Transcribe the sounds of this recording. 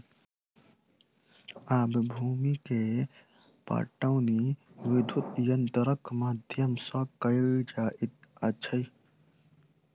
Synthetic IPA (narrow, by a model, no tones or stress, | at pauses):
aːbbʱuːmike | pa̰ːʈəwniʋɪd̪ʱut̪jɐnt̪ɾəkmaːd̪ʱjəmsãkəld͡ʒaːʔɪt̪ɐt͡ʃʰəj